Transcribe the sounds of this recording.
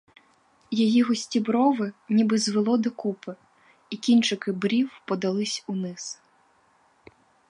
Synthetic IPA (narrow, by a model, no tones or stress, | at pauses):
jɔjiɦɔsʲtʲibɾɔʋɪnʲibɪzʋelˠɔd̪ɔkupɪ | ikʲinʲt͡ʃɪkɪbɾʲiwpɔd̪ɐlˠɪsʲunɪs